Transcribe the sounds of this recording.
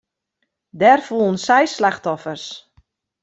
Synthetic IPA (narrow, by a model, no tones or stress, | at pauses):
dɛrfulˠən̩sɛjslaxtɔfərs